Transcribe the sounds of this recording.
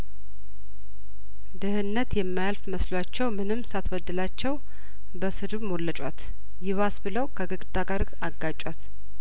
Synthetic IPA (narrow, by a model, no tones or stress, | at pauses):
d̪ɨhɨnːət̪jɛmːajalfməslwat͡ʃːɛwmɨnɨmːsat̪wəd̪ːɨlat͡ʃːɛw | bəsɨd̪umolːət͡ʃʼwat̪ | jɪβasbɨləwkʰəɡɨkʼt̪ʼaɡaɾɡaɡːat͡ʃʼwat̪